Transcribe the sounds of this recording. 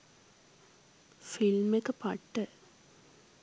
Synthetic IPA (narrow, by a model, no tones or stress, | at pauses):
filmekːɨpɐʈːɨ